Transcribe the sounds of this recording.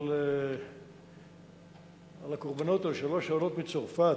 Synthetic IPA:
le | alakoʁbano̞t̪alʃaloʃalo̞t̪bit͡soʁfa

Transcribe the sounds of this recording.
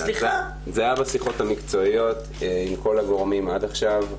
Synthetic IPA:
za | zeajabasiχo̞tamikt͡so̞ijo̞t | imko̞laɡo̞ʁmimad̪aχʃav

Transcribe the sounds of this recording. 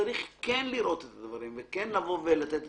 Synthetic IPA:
aɾiχkenliɾo̞t̪et̪ad̪vaɾimvekenlavo̞velat̪et̪

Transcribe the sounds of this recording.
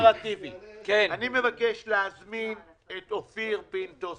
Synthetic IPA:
ʁativikenanime̞vakeʃleazmin | etofiʁpinto

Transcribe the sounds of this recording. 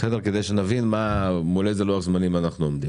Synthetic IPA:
sed̪eʁke̞d̪ejʃenavinmamolezeloaχzmanimanaχnuomd̪i

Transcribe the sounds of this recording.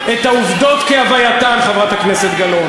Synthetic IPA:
et̪auvd̪o̞t̪keavajat̪anχavʁat̪hakneset̪ɡalo

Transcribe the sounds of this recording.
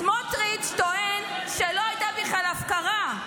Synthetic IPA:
motʁit͡ʃt̪oʔen | ʃeloajd̪abiχlalafkaʁa

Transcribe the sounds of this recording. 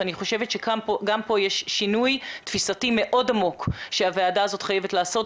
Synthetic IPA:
aniχo̞ʃe̞vet̪ʃekaoɡampo̞jeʃʃinujtfisatime̞ʔo̞damo̞kʃeaveadaːzo̞tχajevetlaːso̞t

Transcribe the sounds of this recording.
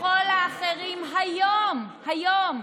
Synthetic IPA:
olaːχeʁimɦajomhajom

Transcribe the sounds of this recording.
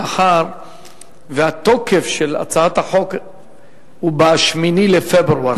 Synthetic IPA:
aħaɾ | veat̪okefʃela̰t͡saat̪haħo̞k | hubaʃminilefebɾua

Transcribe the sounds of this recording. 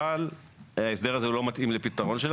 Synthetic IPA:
al | aesd̪e̞ʁazeulo̞mat̪ʔimlepit̪aʁo̞nʃel

